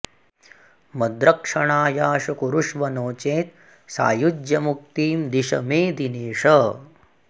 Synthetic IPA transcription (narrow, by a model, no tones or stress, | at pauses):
mɐd̪ɾɐkʂɐɳaːjaːʂɐkuɾuʂʋɐnoːt͡ʃeːt̪̚ | sa̰ːjud͡ʒjɐmuk̚t̪iːmd̪iʂɐ̰meːd̪ineːʂɐ